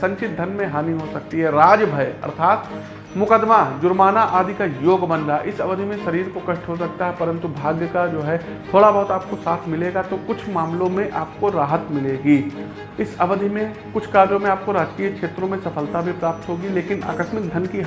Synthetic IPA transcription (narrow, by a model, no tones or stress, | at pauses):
sɐ̃ɲt͡ʃɪt̪̚d̪ʱɐnmẽɦaːniɦosɐk̚t̪iɦɛɾaːd͡ʒbʱɐjɐ̰ɾt̪ʰaːt̪ | mʊkəd̪mad͡ʒʊɾmaːnaʔaːd̪ʱikajoːɡbə̃nd̪aʔɪsɐʋəd̪ʱimẽʃɐɾiːɾkokɐʃʈʰɦosɐk̚t̪aɦɛpɐɾə̃nt̪ubʱaːɡjəkad͡ʒoːɦɛ | t̪ʰoːɽabɐɦʊt̪aːp̚kosaːt̪ʰmɪleːɡat̪okʊt͡ʃʰmaːmlõmẽʔaːp̚koɾaːɦət̪mɪleːɡiː | ɪsɐʋəd̪ʱimẽ | kʊt͡ʃʰkaːɾd͡ʒõmẽaːp̚koɾaːd͡ʒkiːkʃeːt̪ɾõmẽsɐpʰəlt̪abʱipɾaːp̚t̪ɦoːɡileːkɪna̰ːkəʃmɪk̚d̪ʱɐnki